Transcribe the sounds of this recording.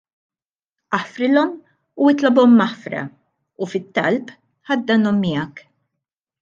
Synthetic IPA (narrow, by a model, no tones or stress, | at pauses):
ʔɐħfɾɪlɔm | uɪt̪lɐbɔmːɐħfɾɐ̰ | ufɪt̪ːɐ̰lp | ħɐd̪ːɐnɔmːɪjɐk